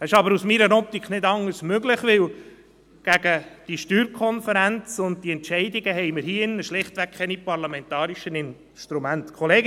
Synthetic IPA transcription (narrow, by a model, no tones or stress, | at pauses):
ɛɪʃɑbəɾusmiɾənɔp̚t̪ikχnɪdɑŋəɾsmøɡlɪχʋɪl | ɡ̥æɡəd̥iʃtyːɾkʰɔnfəɾænt͡sʊnd̚tiɛntʃɛɪdiɡəɦɛɪməɾhiːɪnːəʃlɪχt̪ʋæk̚kʰɛnipɑɾlɑmɛntɑːɾiʃənɪn | ʃt̪ɾumæntkʰɔleː